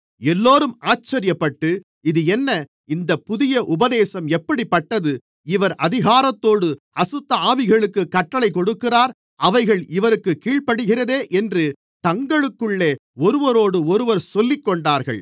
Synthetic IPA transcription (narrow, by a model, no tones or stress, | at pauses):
ɛlːoːɾɯmaːt͡ʃːɐɾɪjɐpːɐʈːɯ | ɪðɯɛnːɐ | ɪnd̪ɐpʊðɪjɐʔʊbɐðeːsɐmɛpːɐɽipːɐʈːɐðɯ | ɪʋɐɾɐðɪɣaːɾɐt̪ːoːɽɯ | ɐsɯt̪ːɐaːʋɪɣɐɭɯkːɯkːɐʈːɐɭɐɪkɔɽɯkːɪraːɾ | ɐʋɐɪɣɐɭɪʋɐɾɯkːɯkːiːɭpɐɽɯɣɪrɐðeːʔɛndrɯ | t̪ɐŋɡɐɭɯkːɯɭːeːɔɾɯʋɐɾoːɽɯɔɾɯʋɐɾsɔlːɪkːɔɳɖaːɾɣɐ̰ɭ